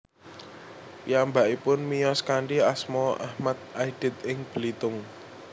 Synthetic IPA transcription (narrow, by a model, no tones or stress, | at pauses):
piambaʔipʊnmijɔskaɳɖiasmɔa̰hmad̪̚ʔaid̥ɛ̤t̪̚ɪŋb̥əlit̪ʊŋ